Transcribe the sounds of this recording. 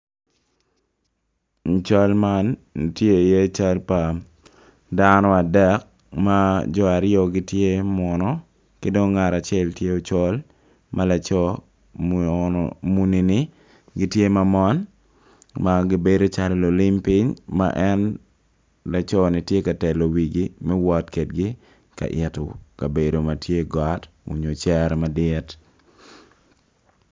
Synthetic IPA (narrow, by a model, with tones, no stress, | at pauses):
t͡ʃa˦lma˦ntje˦˨je˦t͡ʃa˦lpa˨ | danɔ˦a˨dɛ˦k̚ | ma˦d͡ʒɔ˨a˨ɾɪjɔ˨ɡɪ˦tje˦mɔ˨nɔ˦ | kɪdo˦ŋːa˨ɾa˨t͡ʃɛ˦ltje˦o˨t͡ʃɔ˦l | mʔa˦la˨t͡ʃɔ | mu˨ni˨ni˦ | ɡɪ˦tje˦ma˨mɔ˦n | maɡɪ˨be˦do˦t͡ʃa˨llo˨lɪ˦mpɪ˦ɲma̰ʔɛ˦n | la˨t͡ʃɔ˦nɪ˨tje˦ka˨tɛ˨lo˨wi˨ɡimɛ˦wɔ˦tke˨t̚ɡɪ˦ | ka̰˨ʔɪtʊ˨ka˨be˨do˨ma˨tje˦ɡat | ṵ˨ɲo˨t͡ʃɛ˦ɾmadɪt